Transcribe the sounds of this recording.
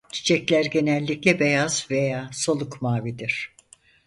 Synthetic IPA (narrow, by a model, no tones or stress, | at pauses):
t̪ʰi̥t͡ʃʰɛclʲæɾɟe̞nɛlʲːiclʲɛbe̞jaz̥ve̞jaːso̞lˠukmaːvid̪iɾ̥